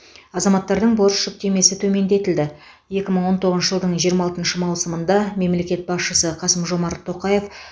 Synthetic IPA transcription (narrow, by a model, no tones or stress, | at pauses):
ɑzɑmɑt̪ːɑɾd̪əɴbo̞ɾsʃʊk̚t̪e̞me̞sɪt̪ʰɵme̞nd̪e̞t̪ɪld̪ɪ | je̞kʲɪməɴwo̞nt̪ʰo̞ʁəʃəʒəlˠd̪əɴʒijəɾmɑlˠt̪ənʃəmɑwsəmənd̪ɑme̞mle̞kʲe̞t̪̚bɑsʃəsəqʰɑsəmʒo̞mɑɾt̪ʰːo̞qɑje̞f